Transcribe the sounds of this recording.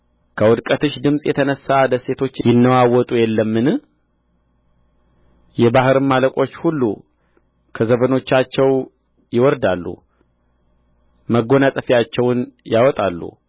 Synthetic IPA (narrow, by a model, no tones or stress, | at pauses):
kʰəwɔd̪kʼət̪ɨʃd̪ɨmsʼjɛt̪ʰənəsːad̪əse̞t̪ʰo̞t͡ʃːjɪnːəwawɔt̪ʼujɛlːəmːɨn | jɛbahɨɾɨnmaləkʼo̞t͡ʃːhulːu | kʰəzəβəno̞t͡ʃːat͡ʃːɛw | jɪwɔɾd̪alːṵ | məɡo̞nasʼəfijat͡ʃːɛwnjawɔt̪ʼalːṵ